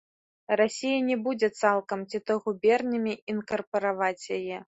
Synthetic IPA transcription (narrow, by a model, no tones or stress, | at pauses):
rasʲijɐnʲɛbud͡zʲɛt̪salˠkɐmt͡sʲit̪ɔɣubʲɛrnʲɐmʲiinkɐrpɐɾavat͡sʲjajɛ